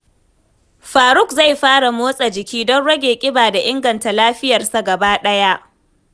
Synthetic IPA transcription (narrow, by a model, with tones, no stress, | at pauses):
ɸaː˨ɾʊ˦˨k̚za˦˨jɸaː˦ɽa˨moː˦sʼa˨d͡ʒɪ˨kʲiː˦dɔ˦nɽɐ˦ɡʲeː˨kʲʼɪ˦baː˨da˨ʔɪ˦ŋɡɐ˨nta˨laː˦ɸɪ˦jɐ˨rsa˨ɡɐ˨baː˦ɗɐ˦ja˦ʔ